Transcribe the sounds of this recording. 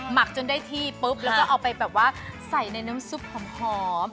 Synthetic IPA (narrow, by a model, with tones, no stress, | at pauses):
ma˨˩k̚t͡ɕo˧ndaː˥˩jt̪ʰiː˥˩pɤ˦˥p̚lɛ˦wkɔː˥˩ʔa˧wpa˧jbɛː˨˩p̚waː˥˩sa˨˩jna˧jna˦˥msu˦˥p̚kʰa˩˦mhɔː˦